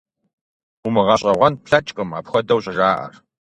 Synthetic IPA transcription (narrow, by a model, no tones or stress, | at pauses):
umɨʁɐɕʼɐʁʷɔnpʰɬɐt͡ʃʼkʼɨma̰ːpxʷɔdɐwɕʼɐʒaːʔɐ̰r